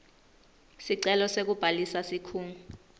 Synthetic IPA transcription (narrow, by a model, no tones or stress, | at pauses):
siǀɛlɔsek̬ub̥ʱalisasikʰuːŋu